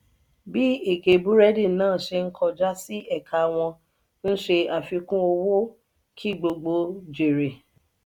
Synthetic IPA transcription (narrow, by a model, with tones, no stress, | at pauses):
bi˦e˦˨ɡe˨bu˦ɾɛ˦dĩ˦˨nãː˦˨ʃe˧ŋ̩˦kʰɔ˧d͡ʒa˦si˦ɛ˦˨kʰa˨˧w̃ɔ̃˧ | n̩˦ʃe˧a˨fi˧kũ˦o˧wo˦ | kʰi˦˨ɡ͡bo˧ɡ͡bo˧d͡ʒe˨ɾe˨